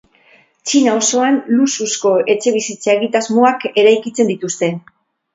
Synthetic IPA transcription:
t͡ʃinao̞so̞anlususko̞e̞t͡ʃe̞β̞isit͡sae̞ɣ̞it̪azmoake̞ɾajkit͡se̞nd̪it̪ust̪e̞

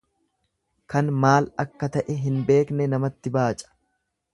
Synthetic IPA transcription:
kɐnmaːlɐkːɐt̪ɐʔɛɦɪnbe̞ːknɛnɐmɐt̪ːɪbaːt͡ʃʼɐ̥

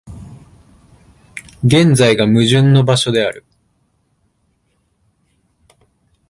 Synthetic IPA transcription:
ɡẽ̞nd͡zaiɡamɯ̟ʑɨ̃nːo̞baɕo̞d̪e̞aɾɯ̟̰

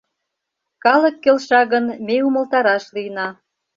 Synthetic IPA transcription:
kɑlə̆kːelʃɑɣənmeumə̆lt̪ɑɾɑʃlijnɑ

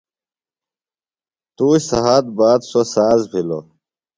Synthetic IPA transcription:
t̪uːɕsɐ̰ɦaːt̪̚baːd̪sosaːzpʰilo̰

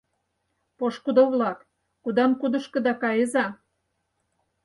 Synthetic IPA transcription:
poʃkud̪oβlɑk | kud̪ɑmkud̪ə̆ʃkɤ̆d̪ɑkɑjəzɑ

